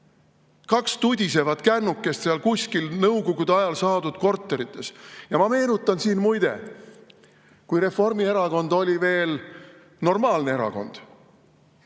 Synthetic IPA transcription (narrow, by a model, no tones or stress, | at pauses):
kɑkst̪ud̪ʲise̞vɑt̪kænːukːˑe̞st̪seɑlkusʲkilnɤwɡoɡ̥ud̪ɑjɑlsɑːd̪ud̪̥ko̞rt̪ːˑe̞ɾit̪ːˑe̞sjɑmɑme̞ːnut̪ːˑɑnsiːnmujd̪e̞̰ | kujɾe̞fo̞rmie̞ɾɑko̞nd̪̥o̞lʲive̞ːl | no̞rmɑːlnee̞ɾɑ̰ko̞̰nd̪̥